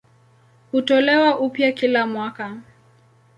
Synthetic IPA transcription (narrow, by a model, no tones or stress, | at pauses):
hutɔlɛwaʔupjakilamwaka